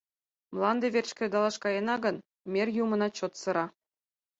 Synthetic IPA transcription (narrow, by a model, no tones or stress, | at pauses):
mlˠɑnd̪ĕʋʲerʲt͡ɕkʲrʲed̪ɑlˠɑʂkɑjɤnɑɡɤ̆n | mʲerʲjumɤ̆nɑt͡ɕot̪sɤ̆ɾɑ